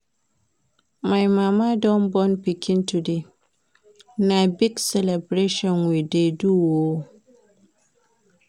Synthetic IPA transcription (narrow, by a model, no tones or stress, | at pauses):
majmamadɔnbɔnpikʰĩntude | nabiɡsɛlɛbɾeʃɔ̃nwideduwo